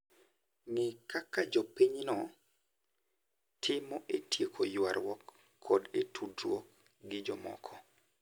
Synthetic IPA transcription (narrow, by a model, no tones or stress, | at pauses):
nɪkakad͡ʒɔpiɲnɔ | tʰɪmɔʔetjekʰojwaɾwɔkʰː | ɔdetʰudɾwɔk | ɡɪd͡ʒɔmɔ̰kʰɔ